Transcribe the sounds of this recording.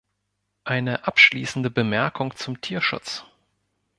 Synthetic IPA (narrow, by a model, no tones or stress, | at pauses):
ʔaɪnəʔapʃliːsn̩dəbəmɛɐkʰʊŋt͡sʊmtʰiːɐʃʊ̰t͡s